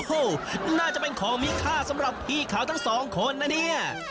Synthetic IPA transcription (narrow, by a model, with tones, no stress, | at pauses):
o˧˩naː˥˩t͡ɕa˨˩ʔpe˧nkʰɔː˩˦ŋmiː˦˥kʰaː˥˩sa˨˦mɾa˨˩pʰːiː˧˩kʰaː˨˦˩t̪ʰa˥˩ŋsɔː˩˦ŋkʰo˧nːa˦˥ni˥˩ɐ